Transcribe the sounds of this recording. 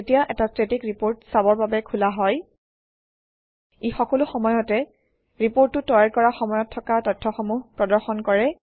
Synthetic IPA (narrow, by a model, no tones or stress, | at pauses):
etijaʔɛtastɹetikɹipoɹtsabɔɹbabɛkʰulaɦɔj | ixɔkɔlʊxɔmɔjɔtɛ | ɹipoɹtːʊtɔjaɹkɔɹaxɔmɔjɔtʰːɔkatɔtʰːɔxɔmuɦpɹɔdɔɹxɔnkɔɹɛ